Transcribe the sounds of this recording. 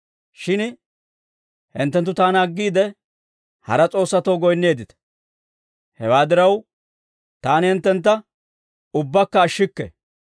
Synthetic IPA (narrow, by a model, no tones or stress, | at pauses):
ʃɪn | hɪ̰nt̪ːɛnt̪ːʊt̪aːnɐɡːiːd̪ɛ | hɐ̰ɾɐt͡sʼo̞ːsːɐt̪ɐwɡɔjnːe̞ːd̪ɪt̪ɛ̥ | hɛ̰waːd̪ɪɾɐw | t̪aːnhɪnt̪ːɛnt̪̬ːɐ | ʊbːɐkːɐːʃːɪkːɛ̰